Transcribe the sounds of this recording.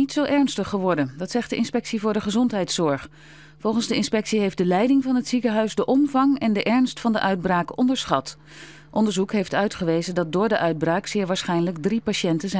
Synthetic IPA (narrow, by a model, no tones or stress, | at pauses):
itsowʔɛɹnstəχːəʋɔɹdəndɑtsɛχtdəʔɪnspɛksivʊːɹdəχəzɔntɦɛjtsɔɹχ | fɔlˠχənzdəɪnspɛksiɦejfdəlɛjdɪŋvɑnɦətsikəɦœɥzdəʔɔmvɑŋɛndəʔɛɹnstfɑndəʔœɥd̚braːkɔndəɹsχɑt | ʔɔndəɹzukɦejftœɥtχəʋejzəndɑt̚dʊːɹdəʔœɥd̚braːksɪːɹʋaːɹsχɛjnələɡdripaʃɛntəzɛ